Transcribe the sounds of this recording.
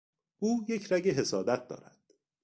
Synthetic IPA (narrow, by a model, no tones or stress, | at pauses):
ʔuːje̞cʰɾæɡeɦe̞sɒːd̪æt̪̚d̪ɒ̰ːɾæd̪̥